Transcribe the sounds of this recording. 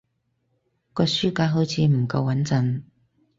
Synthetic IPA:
kɔː˧syː˥kaː˨˥ɦo˨˥wt͡sʰiː˨˧m̩˨˩kɐ˧wːɐ˨˥nt͡sɐ˨˧n

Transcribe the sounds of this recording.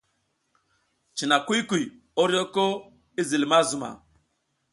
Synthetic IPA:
t͡ʃi˨na˨ku˦ku˨j | o˦ɾjo˦ko˦ | i˦zi˨lma˦zu˨ma̰˨

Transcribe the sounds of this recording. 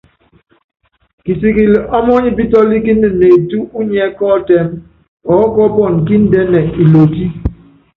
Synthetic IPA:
ki˨si˨ki˨lʔɔ˦mɔ˦ɲi˦bi˦tɔ˦li˦ki˦n̩˦ɨ˨ne˨tu˦u˦ɲɛ˦kɔ˦tɛ˦m | ɔ˨˦kɔ˦bɔ˦˨n˨ki˦n̩˦dɛ˦nɛ˨i˨lo˨ti˦

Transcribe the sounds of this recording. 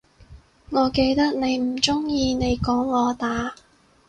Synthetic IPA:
ŋɔː˨˧ke˧jt̪ɐ˥k̚ne˨˧jm̩˨˩t͡sʊ˥ŋjiː˧ne˨˧jkɔː˨˥ŋːɔː˨˧t̪aː˨˧˥

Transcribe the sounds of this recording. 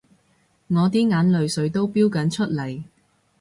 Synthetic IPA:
ŋɔː˨˧t̪iː˥ŋaː˨˥nlɵ˨˧ɥsɵ˨˧˥ɥt̪o˥wpiː˥wkɐ˨˧˥nt͡ʃʰɵ˥t̚lɐ˨˩j

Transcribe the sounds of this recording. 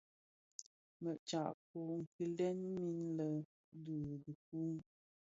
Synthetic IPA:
mə˨ʔt͡ʃa˨ʔko˨ŋ̩˨ki˨lɛ˦nmi˦nlə˨ | du˨di˨k̚u˦m

